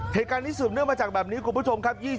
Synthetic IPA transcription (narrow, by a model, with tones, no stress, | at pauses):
heː˨˩t̚kaː˧nt̪iː˦˥sɯː˨˩pn˦˥˩əŋmaː˧t͡ɕaː˨˩k̚bɛː˨˩niː˦˥kʰu˧nmpʰu˦˥˩o˧mkʰa˦˥p̚jiː˥˩